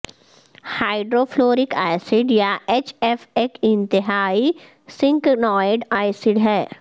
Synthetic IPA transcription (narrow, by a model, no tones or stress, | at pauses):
haːɪɖɾoːfloːɾɪkaːɪsɪɖjaet͡ʃefekɪ̃nt̪ɪɦaːi | sɪ̃ŋknɔːɪɖaːɪsɪɖɦɛː